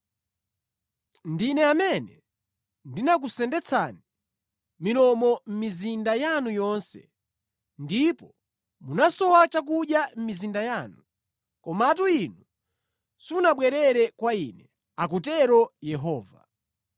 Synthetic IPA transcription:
ndinɛamɛnɛ | ndinak̬usɛndɛt͡sʰa̰ni | minɔmɔm̩mizindajanujɔnsɛ̰ | ndipɔ | munasɔwat͡ʃak̬uɗjam̩mizindajaːnu | kɔmaːtuinu | sunaɓwɛɾɛɾɛkwainɛ | ak̬ut̬ɛɾɔjɛɦɔːva̰

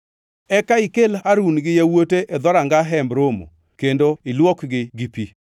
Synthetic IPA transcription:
ɛkaɪkelaɾunɡɪjawoteʔed̪ɔɾaŋɡaɦɛmbɾomo̰ | kendoɪlwɔkɡɪɡipi

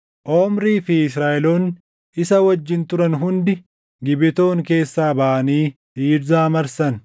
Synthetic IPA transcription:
ʔoːmɾiːfɪɪs̬ɾaːʔɛloːn | ɪsɐwɐd͡ʒːɪnt̪ʊɾɐnɦʊnd̪ɪ | ɡɪbɪt̪o̞ːŋke̞ːsːaːbɐʔɐniːdiːɾzaːmɐɾsɐn

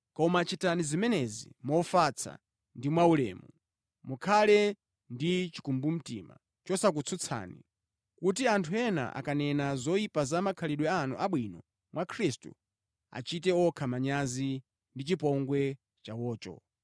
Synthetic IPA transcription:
kɔmat͡ʃitanizimɛnɛzḭmɔfat͡sʰa̰ | ndimwaulɛ̰ːmu | mukʰalɛ | ndit͡ʃi̥kumbum̩tḭma̰ | t͡ʃɔsak̬ut͡sʰut͡sʰa̰ːnḭ | kut̬iantʰuɛna̰ʔa̰kanɛnazɔjipazamakʰaliɗwɛanuʔaɓwinɔ | mwakʰɾistṵ | a̰t͡ʃit̬ɛɔkʰamaɲazi | ndit͡ʃipɔŋɡwɛ | t͡ʃawɔːt͡ʃɔ̰

